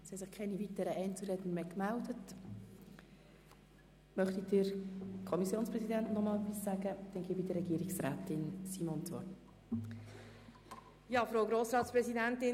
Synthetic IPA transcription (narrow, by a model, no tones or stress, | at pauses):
shɛtsɪχkʰɛɪnivitəɾəʔɛɪnt͡suɾɛdnmekmældət | mœχt̪id̥əɾkʰɔmisjoːnspɾɛsidɛntnɔmɑːlɛpisːæːɡəd̪̥ɛnɡɪːbidəɾɛɡiːɾɪksɾaːtɪnsimont͡sʋɔ̰rt | jɑːfɾoʊɡɾoːsɾɑːtspɾɛzidæntɪ